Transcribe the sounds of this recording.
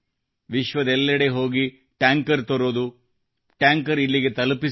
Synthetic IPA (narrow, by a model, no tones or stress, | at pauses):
ʋiʃʋɐd̪ɛlːɐɽeɦo̞ːɡi | ʈaːŋkɐɾt̪oɾoːd̪u | ʈaːŋkɐɾilːiɡe̞t̪ɐlupi